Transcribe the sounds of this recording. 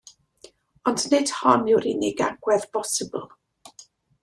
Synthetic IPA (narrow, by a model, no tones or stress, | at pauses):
ɔndnɨd̥hɔnɪwɾinɪɡa̰ɡwɛðb̥ɔsɪb̰l̩ˠ